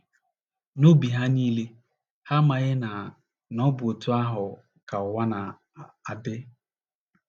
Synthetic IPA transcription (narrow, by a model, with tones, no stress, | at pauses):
no˦bi˨ɦa˦niː˦le˦ | ha˦ma˨ɣɪ˦na˨ | nɔ˦bo˨tu˦a˦ɦʊ˨ | ka˨ʊ˨wa˦na˨ | a˨bɪ˦